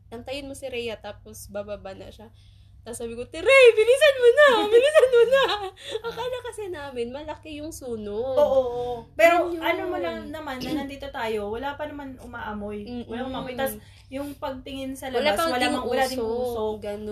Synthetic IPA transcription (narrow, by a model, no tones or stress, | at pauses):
nɐŋt̪ɐjɪnmosɪɾɛjɐt̪aːp̚osbabaːbanɐ̰ʃa | t̪ɐsːaːbɪkot̪ɪɾɛjbɪnisɐnmonɐbɪnisɐnmonɐɐkaːlɐkɐsɛnaːmɪnmɐlɐkɪjʊŋsuːnoʔoːʔoʔopɛːɾo̞ʔɐnomolɐŋnɐmanːɐnɐnd̪iːt̪o̞t̪aːjo̞wɐlaːpɐnɐmanʊmaːʔɐmo̞jwɐlaʔʊmaːmojt̪as | jʊŋpɐɡ̚t̪ɪŋɪnsɐlɐblaamɐlamɐŋwɐlaːd̪ɪnuːsoɡɐn